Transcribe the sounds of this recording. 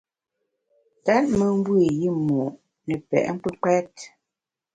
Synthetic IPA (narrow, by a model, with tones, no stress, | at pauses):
ta˦t̚mə˦m̩˦bwi˦˨ji˦˨mu˨ʔ | nɛ˨pɛ̰˨ʔŋ̩˦k͡pə˦k͡pɛ˦t̚